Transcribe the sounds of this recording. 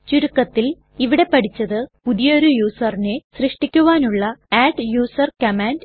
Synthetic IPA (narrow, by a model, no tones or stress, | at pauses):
t͡ɕuɾukːɐt̪ːil | iʋiɽe̞pɐʈʰit͡ɕːɐðɨpuðijɐoɾujuːsɐrinesrɨʂʈikʲːuʋaːnuɭːɐaːʈjuːsɐrkɐmaːnd